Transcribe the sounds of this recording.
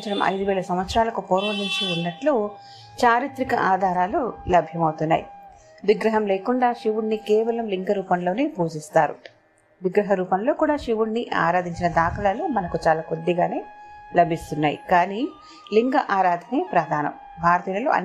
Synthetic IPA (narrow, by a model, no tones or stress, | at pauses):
t͡ʃɐɾɐmʔɐ̰jd̪uʋɛːlɐsɐmʋɐt̪sɾaːlɐkupoːɾʋɐd̪iɲt͡ʃiunːɐʈlu | t͡ʃaːɾit̪ɾikɐʔaːd̪ʱaːɾaːlulɐbʱjɐmɐwt̪unːa̰ːjḭ | ʋiɡɾɐɦɐmleːkuɳɖaːʃiʋuɽnikɛːʋɐlɐmliŋɡɐɾuːpɐmlo̞ːne̞ːpuːd͡ʒist̪aːɾṵ | ʋiɡɾɐɦɐɾuːpɐmlo̞ːkuːɽaːʃiʋuɽniʔa̰ːɾaːd̪ʱiɲt͡ʃinɐd̪aːkɐlɐloːmɐnɐkut͡ʃaːlaːkod̪ːiɡaːne̞ːlɐbʱist̪unːaːjḭkaːni | liŋɡɐʔaːɾaːd̪ʱɐneːpɾɐd̪ʱaːnɐ̰m | bʱaːɾɐt̪iːlɐlo̰ɐ̰